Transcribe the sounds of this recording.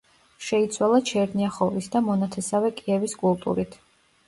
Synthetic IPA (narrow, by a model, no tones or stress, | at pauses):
ʃɛit̪sʰwalˠat͡ʃʰɛɾniaχɔvisd̪amɔnat̪ʰɛsavɛkʼiɛviskʼulˠt̪ʼṵɾit̪ʰ